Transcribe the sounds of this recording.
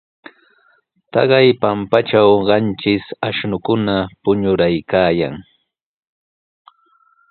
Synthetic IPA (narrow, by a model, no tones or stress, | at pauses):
t̪ɑɢɑjpampat͡ʃawɢɑnt͡ʃɪsaʃnʊkʊnapʊɲʊɾajkaːja̰ŋ